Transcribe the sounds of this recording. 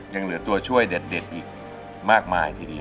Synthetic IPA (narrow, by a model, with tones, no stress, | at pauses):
ja˧ŋlɯ˩˦ɐt̪u˧ɐt͡ɕʰu˥˩əjde˨˩t̪̚de˨˩t̪̚ʔiː˨˩k̚ | maː˥˩k̚maː˧jt̪ʰiː˥˩diː˧